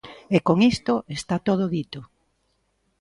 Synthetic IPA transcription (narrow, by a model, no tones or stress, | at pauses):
ekoŋist̪oest̪at̪oð̞oðit̪o